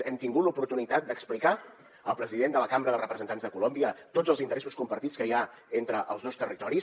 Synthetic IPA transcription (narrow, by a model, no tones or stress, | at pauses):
ɛmt̪iŋɡut̪lupuɾt̪unit̪at̪̚d̪əksplika | əlˠpɾəziðend̪ələkambɾəðəlˠrəpɾəzənt̪anzðəkulombiət̪otd͡zəlˠzint̪əɾɛsuskumpəɾt̪it͡skəia | ent̪ɾəʔəlˠzðɔwst̪ərit̪ɔɾis